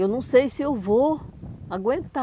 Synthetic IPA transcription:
ewnɐ̃w̃sejsɪewvoaɡwẽnt̪a

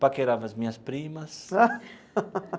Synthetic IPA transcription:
pakeɾavɐzmĩɲɐspɾimɐsa

